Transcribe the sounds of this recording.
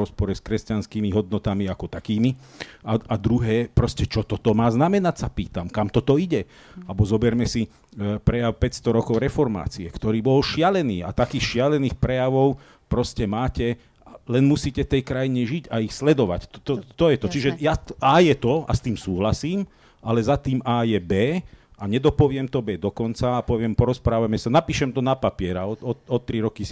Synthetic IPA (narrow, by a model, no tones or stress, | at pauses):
ɔspɔɾɛskɾɛscanskiːmiɦɔd̪nɔt̪amiakɔt̪akiːmi | aad̪ɾuɦɛːpɾɔscɛt͡ʃɔt̪ɔt̪ɔmaːznamɛnacsapiːt̪amkamt̪ɔt̪ɔiɟɛ | albɔzɔbɛɾmɛsi | pɾɛjaʊpɛcst̪ɔɾɔkɔʊɾɛfɔɾma̰ːt͡siɛkt̪ɔɾiːbɔlʃɪalɛniːa̰t̪akiːxʃɪalɛniːxpɾɛjaʋɔʊ | pɾɔscɛmaːcɛ | alɛnmusiːcɛft̪ɛjkɾajiɲɛʒiɟaixslɛd̪ɔʋa̰ct̪ɔt̪ɔt̪ɔjɛt̪ɔt͡ʃiʒɛjaʔaːjɛt̪ɔa̰st̪iːmsuːɦlasiːm | ʔalɛzat̪iːmaːjɛbɛː | aɲɛd̪ɔpɔʋɪɛmt̪ɔbɛːd̪ɔkɔnt͡saːpɔʋɪɛmpɔɾɔspɾaːʋamɛsanapiːʃɛmt̪ɔnapapɪɛɾaɔɔɔt̪ɾiɾɔkis